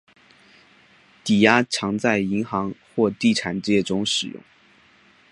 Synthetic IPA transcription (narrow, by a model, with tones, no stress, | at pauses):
t̪i˨˩ja˥ʈ͡ʂʰɑ˧˥ŋt͡sa˥˩ɪi˧˥ŋxɑ˧˥ŋxwɔ˥˧t̪i˥˩ʈ͡ʂʰa˨˩nʈ͡ʂɻ̩˥jɛ˥˩ʈ͡ʂʊ˥ŋʂɻ̩˨˩jʊ̰˥˩ŋ